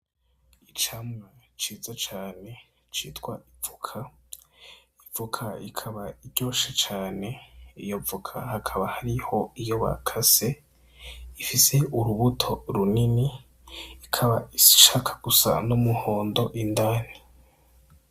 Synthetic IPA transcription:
it͡ʃamŋat͡ʃiːzat͡ʃaːne̞ | t͡ʃḭːtwa̰ʔivukʰa | ivukʰaikʰaβaiɾɟo̞ːʃat͡ʃaːne̞ijo̞vukʰa̰hakʰaβahaɾiho̞ijo̞βa̰kʰase̞ | ifise̞uɾuβutʰo̞ɾuniniː | kʰaβaii̥ʃakʰḁɡ̥usa̰numuho̞ːndo̞ʔindani

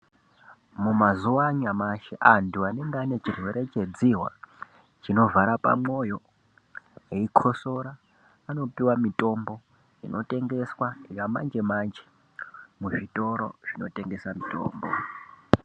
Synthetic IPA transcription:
mumazuaɲamaʃeʔanduane̞ŋɡeane̞t͡ʃirwe̞ɾe̞t͡ʃe̞d͡ziwa̰ | t͡ʃino̞vaɾapa̰mo̞jo̞ | ɦeikʰo̞so̞ɾaː | no̞piwamitʼo̞mbo̞ | inʔo̞tʼe̞ŋɡe̞swaijama̰nd͡ʒe̞maːnd͡ʒe | muʐitʼo̞ɾo̞̰ʐ̥ino̞̰te̞ŋɡe̞samito̞̰ːmbo̰

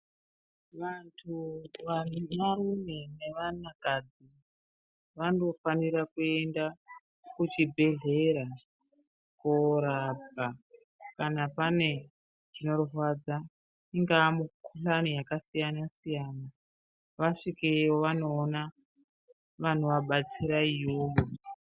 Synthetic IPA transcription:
ʋantʰuʋanmarume̞ne̞ʋanakad͡zi | ʋano̞faniɾakue̞nda | kut͡ʃibʱe̞ɮe̞ɾa | koɾabʱa | kanapane̞ | ʐino̞rurwad͡za | iŋɡaːmukuɬanijakasijanasijana | ʋaʂikewoʋano̞ːna | ʋan̤uʋaɓat͡siɾaijoːjo

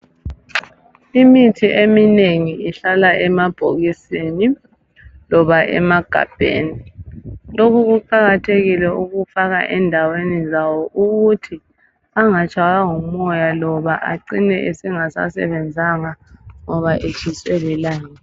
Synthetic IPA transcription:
imitʰiʔemineŋiiɬalaʔɛmab̥ʱoɣiseːni | lɔβaʔɛ̰maɡ̥ʱa̰b̥ʱḛːni | lokʰuɣuǃaɣatʰeɣilɛuɣufaɣa̰ʔɛndʱawenizawɔʔuɣutʰi | aŋat͡ʃʰʼaɣaŋumɔjalɔβaʔa̰ǀinɛ̰ʔesiŋasa̰sɛ̰βɛnd͡zʱaŋaŋɔβaʔet͡ʃʰiswɛlɛlaːŋa

